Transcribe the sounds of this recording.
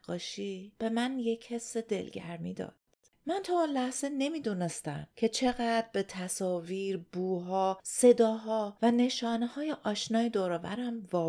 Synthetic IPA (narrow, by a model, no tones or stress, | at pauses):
ɡɒːʃib̥e̞mænje̞cʰhe̞sed̪e̞̰lɟæ̰ɾmḭːd̪ɒ̰ːd̪̥ | mænt̪ʰɒːunlæhz̥e̞ne̞miːd̪unest̪æ̰mcʰe̞t͡ʃʰe̞ɣæd̪be̞t̪ʰæsɒːviːɾbuːɦɒːse̞d̪ɒːɦɒːvæne̞ʃɒːnehɒːje̞ʔɒːʃnɒːjed̪oːɾɒːvæ̰ɾæmvɒː